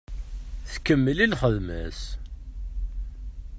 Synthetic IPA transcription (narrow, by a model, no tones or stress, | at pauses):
θkəmːəlilχəðmæ̰s